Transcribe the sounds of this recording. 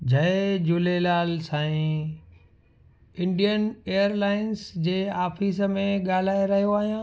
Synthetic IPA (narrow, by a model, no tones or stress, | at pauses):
d͡ʑʱɐed͡ʑulelaːlsãːĩ | ɪ̃ɳɖijəneːəɾlaːɪnsd͡ʑeːaːfiːsmẽɠaːl̤aːeɾɐɦijoaːɦijãː